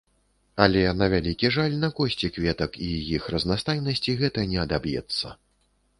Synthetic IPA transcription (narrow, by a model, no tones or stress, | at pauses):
ɐlʲɛnɐvʲalʲikʲiʐalʲnɐkɔsʲt͡sʲikvʲɛt̪ɐkijixrɐznast̪ajnɐsʲt͡sʲiɣɛt̪ɐnʲɛɐd̪abjɛ̰t̪sːɐ̰